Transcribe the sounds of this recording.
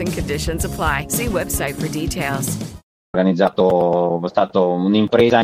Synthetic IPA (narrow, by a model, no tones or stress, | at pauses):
ɪ̃ŋkʰɨ̃ndɪʃə̃nzəpʰl̥aɪsiwɛbsaɪtfə˞ditʰeɪlˠz̥ | rɡanid̪zaːt̪ost̪aːt̪ounimpɾeːza